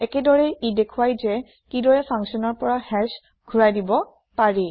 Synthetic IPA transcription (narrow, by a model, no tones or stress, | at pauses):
ɛkɛdɔɹɛidekʰuwajzɛ | kidɔɹɛpʰãŋksiɔnɔɹpɔɹahɛɹs | ɡʱuɹajdibɔ | paɹi